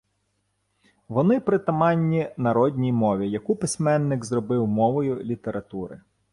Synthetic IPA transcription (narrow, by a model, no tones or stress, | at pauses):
ʋɔnɪpɾɪt̪ɐmɑnʲːinɐɾɔdʲnʲijmɔʋʲijɐkupɪsʲmɛnːɪkzɾɔbɪwmɔʋɔjʊlʲit̪eɾʔɐt̪uɾɪ̰